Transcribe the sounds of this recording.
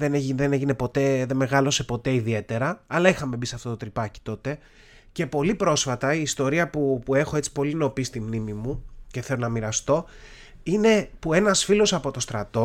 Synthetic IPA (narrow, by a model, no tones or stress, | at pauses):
ðeneʝiðeneʝine̞po̞t̪e̞ðenmeɣɐlo̞se̞po̞t̪e̞iðie̞t̪e̞ɾɐɐlɐixɐme̞bisɐft̪o̞t̪ot̪ɾipɐci̥t̪o̞t̪e̞ | ce̞po̞lipɾo̞sfɐt̪ɐiːst̪o̞ɾiɐpupue̞xoe̞t͡si̥po̞lino̞pist̪imnimimuceθe̞lo̞nɐmiɾɐst̪o̞ | ine̞pue̞nɐsfilo̞sɐpo̞t̪o̞st̪ɾɐt̪o̞